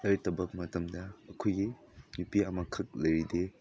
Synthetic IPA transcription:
ɐɾtɐbɐk̚mɐtɐmdɐːkʰojɡi | jupiɐmɐkʰɐk̚lɐjɾide

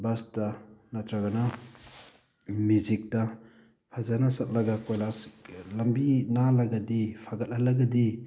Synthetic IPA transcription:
bastɐnatʰɾaɡɐna | muzik̚tɐ | pʰazanasɐt̚lɐɡakojlaslɐmbinalɐɡadipʰaɡɐt̚alɐɡadi

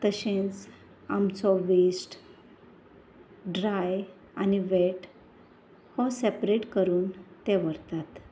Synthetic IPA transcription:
t̪əɕẽt͡s | amt͡sɔʋisʈ | ɖɾaj | aniʋeʈ | hɔsepɾeʈkəɾuːnt̪ɛ̃ʋəɾt̪at̪

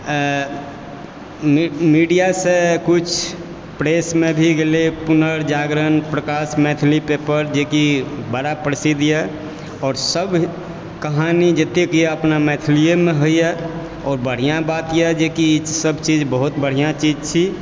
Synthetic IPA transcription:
miːɖijasekʊt͡ʃʰ | pɾeːsmẽbʱiɡelepʊnəɾd͡ʒaːɡɾənpɾəkaːsmɛːt̪ʰlipepəɾd͡ʒeːkibəɽapɾəsid̪ʱjɛ | ɔːɾsəb | kəɦaːnid͡ʒət̪ekeəpnamɛt̪ʰliemẽɦoiɛ | ɔːɾbəɽ̤ijãbaːt̪jɛd͡ʒeːkisəbt͡ʃiːd͡ʒbəɦʊt̪bəɽ̤ijãt͡ʃid͡ʒt͡ʃʰi

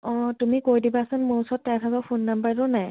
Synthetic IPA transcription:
ɔ̃tumikojdibaːsɔnmʊɹusɔtːajtʰaɡapʰonːambəɹtʊnaj

